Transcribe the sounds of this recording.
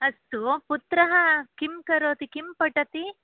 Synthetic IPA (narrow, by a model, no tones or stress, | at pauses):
ɐst̪uput̪ɾɐɦɐkimkɐɾoːt̪ikimpɐʈɐt̪i